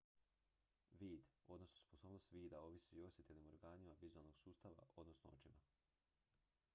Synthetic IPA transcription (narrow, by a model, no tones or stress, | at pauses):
ʋiːd̪o̞d̪no̞snospo̞so̞ːbno̞st̪ʋiːd̪ao̞ʋisio̞sʲjet̪ʰelnimo̞ɾɡaːnimaʋizualˠno̞ɡ̥suːst̪aʋa̰ʔo̞d̪no̞snoot͡ʃima